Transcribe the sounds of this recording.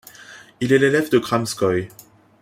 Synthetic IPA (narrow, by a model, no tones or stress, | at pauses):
ilɛlelɛvd̪əɡʁamskɔj